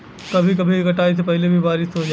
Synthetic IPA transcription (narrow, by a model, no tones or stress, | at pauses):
kɐbʱik̬ɐbʱikɐʈaːis̬epɛɦlebʱibaːɾɪsɦod͡ʒaː